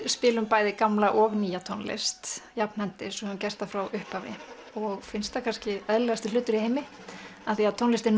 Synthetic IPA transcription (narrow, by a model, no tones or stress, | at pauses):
spɪːlʏmpaːjðɪkamlaʔɔɣniːjat̪ʰɔnlɪ̰st̪japn̥hɛnt̪ɪsɔʏmcɛst̪afɾawʏhpavɪ̰ | ɔɣfɪnst̪akʰanscɪɛðlɛɣast̪ɪlʏːt̪ʏɾiheːjmɪ | aðθiaðt̪ʰɔnlɪst̪ɛɾ